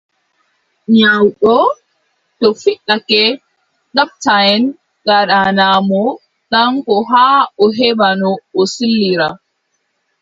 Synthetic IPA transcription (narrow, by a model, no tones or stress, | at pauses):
ɲawɗɔ | tɔfiɗːakɛ | ɗap̚tajɛn | ɡaɗanaːmɔ | ɗaŋkɔɦaːɔɦɛbanɔːsilːiɾa